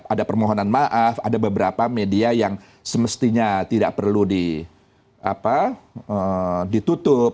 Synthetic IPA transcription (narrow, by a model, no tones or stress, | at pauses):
adapərmoɦonanmaʔafadabəbəɾapamediajaŋ | səməst̪iɲat̪ida̰ʔ̚pərludi | a̰paədit̪ut̪ʊp̚